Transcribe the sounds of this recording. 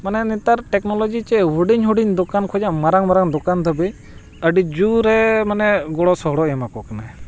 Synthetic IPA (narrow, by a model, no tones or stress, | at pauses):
manɛnit̪aɾʈɛknɔlɔd͡ʒit͡ʃɛɦuɖiɲɦuɖiɲd̪ɔkankʰɔd͡ʒaʔmaɾaŋmaɾaŋd̪ɔkand̪ʱəbɛɲ | əɖid͡ʒuɾɛmanɛɡɔɽɔsɔɦɔɽɔʔɛmakɔkana